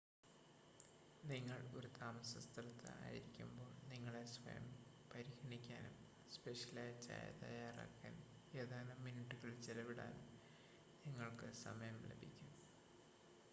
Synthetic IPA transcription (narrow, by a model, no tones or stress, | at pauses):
niŋːɐɭo̞̰ɾut̪aːmɐsɐst̪ʰɐlɐt̪ʰːɨ̰a̰ːjḭɾikʲːumbo̞ːɭniŋːɐɭe̞sʋɐ̰jɐ̰m | pɐɾiɣɐɳikʲːaːnum | speʂɐlaːjt͡ɕːa̰ːjɐ̰t̪ɐ̰jaːra̰ːkːa̰ːn | eːðaːnɐminiʈːuɣɐɭt͡ɕilɐʋiɽa̰ːnum | niŋːɐɭkɨsɐ̰mɐjɐmlḛbʱikʲːu